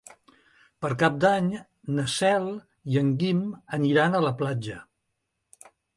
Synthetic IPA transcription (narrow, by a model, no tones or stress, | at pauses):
pəɾkap̚d̪aɲ | nəsɛlˠ | iəŋɡiməniɾanələplad͡ʒə